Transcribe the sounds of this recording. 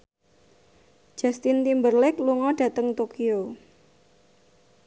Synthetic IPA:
d͡ʒ̥ast̪ɪnt̪imbərlɛkluŋɔɖ̥ä̤t̪əŋt̪okio

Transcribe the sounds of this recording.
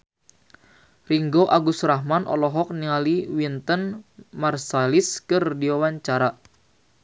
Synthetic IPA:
riŋɡoʔaɡusrahmanʔɔ̰lɔɦɔk̚niŋaliwint̪ənmarsaliskɨrdiwawaɲt͡ʃaɾa

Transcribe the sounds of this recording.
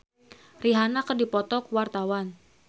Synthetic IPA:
riɦanakədipɔt̪ɔkuwart̪awan

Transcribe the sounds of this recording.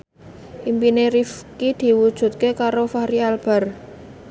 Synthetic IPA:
ʔimpineɾifkid̪̥i̤wud̥ʒ̥ṳt̪̚kekaɾofaɾialb̥a̤r

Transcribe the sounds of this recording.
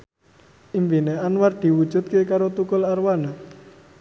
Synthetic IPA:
ʔimpineanward̪̥i̤wud̥ʒ̥ṳt̪̚kekaɾot̪ukʊlarwana

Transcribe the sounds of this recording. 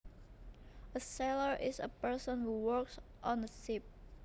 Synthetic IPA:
əsɛləɹʔɪsə̰pɜ˞sə̃nhuwəks | ʔɔ̃nðəsɪp̚

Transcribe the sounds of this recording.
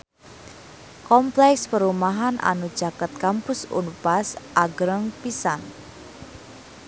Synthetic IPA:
kɔmplɛkspəɾumaɦanʔa̰nud̥d͡ʒ̥akat̪̚kampʊsṵnupasʔaɡɾəŋpisa̰n

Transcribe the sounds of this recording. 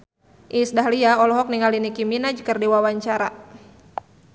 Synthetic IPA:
ʔisdaɦliaɔlɔɦɔk̚niŋalinikiminad͡ʒəkərdiwawaɲt͡ʃaɾa

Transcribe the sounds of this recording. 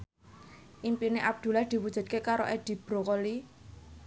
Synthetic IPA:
ʔimpineʔab̚d̪̥ṳlad̪̥i̤wud̥ʒ̥ṳd̪̥̚kekaɾo̰ʔed̪̥i̤b̥ɾo̤kɔli

